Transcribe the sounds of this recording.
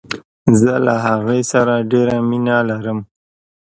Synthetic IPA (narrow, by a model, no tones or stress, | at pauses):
zəlaɦaɣesaɾaɖeɾaminalaɾəm